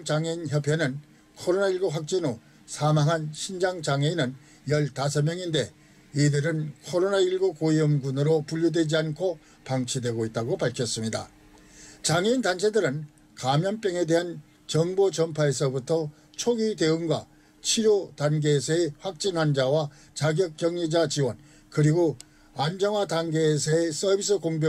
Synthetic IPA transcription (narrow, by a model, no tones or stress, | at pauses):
t͡ɕaŋeinçʌpʰjenɯn | kʰʌɾonaiɭɡuɸwak̚t͡ɕ͈ino | sʰamaŋɦanɕʰind͡ʑaŋt͡ɕaŋeinɯn | jʌɭtas̬ʰʌmjʌŋinde̞ | idɯɾɯnkʰʌɾonaiɭɡukoiʌmɡunɯɾopuʎːjudwe̞d͡ʑiankʰo | paŋt͡ɕʰidwe̞ɡoit̚t͈aɡopaɭkʰjʌs͈ɯmɲida̰ | t͡ɕaŋintant͡ɕʰe̞dɯɾɯn | kamjʌnp͈jʌŋe̞de̞ɦan | t͡ɕʌŋbot͡ɕʌmpʰae̞sʰʌbutʰʌ | t͡ɕʰoɡide̞ɯnɡwa | t͡ɕʰiɾjotanɡeːsʰʌeɸwak̚t͡ɕ͈inɦand͡ʑawa | t͡ɕaɡjʌk̚k͈jʌŋɲid͡ʑat͡ɕiwʌn | kɯɾiɡo | and͡ʑʌŋwatanɡeːsʰʌes͈ʌbʱis̬͈ʰɯkoŋbjʌ